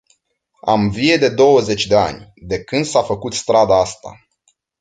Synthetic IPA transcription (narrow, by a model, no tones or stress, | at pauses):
a̰mvije̞d̪e̞d̪o̞wəze̞t͡ʃʲd̪e̞a̰nʲd̪e̞kɨnd̪safəkut̪st̪ɾad̪aast̪a̰